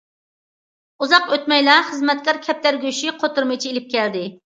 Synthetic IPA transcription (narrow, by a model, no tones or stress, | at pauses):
uzɑqøt̪mɛjlæχəzmɛt̪̚kʲɑɾkʲʰɛp̚t̪ʰæɾɡʲyʃiqʰot̪uɾmɨt͡ʃʰielɪp̚kʲɛld̪ɪ